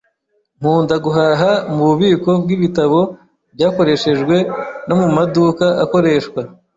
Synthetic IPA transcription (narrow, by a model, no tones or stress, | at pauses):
ŋ̥uːndaɡuɦaːɦamuβuβiːko̞b̚ɡiβitaβo̞ | bɟaːko̞ɾe̞ʃe̞ʒɡwe̞no̞mumadukaʔako̞ɾe̞ʃkwa